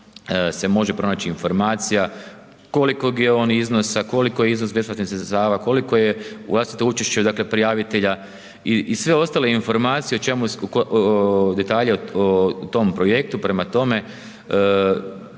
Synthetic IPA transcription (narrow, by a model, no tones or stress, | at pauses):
se̞mo̞ʒe̞pɾo̞naːt͡ɕiːnfo̞ɾmaːt̪sija | ko̞likoɡjeoniznosako̞likojeiznosbe̞splat̪nisɾest̪aːʋako̞liko̞jeʋlˠast̪i̥t̪out͡ʃeʃt͡ɕed̪aklepɾijaːʋit̪e̞ʎa | iisʋeo̞st̪aleinfo̞ɾmaːt̪sije̞ot͡ʃe̞mukod̪e̞t̪aːʎeot̪o̞mpɾo̞je̞k̚t̪upɾe̞mat̪o̞me̞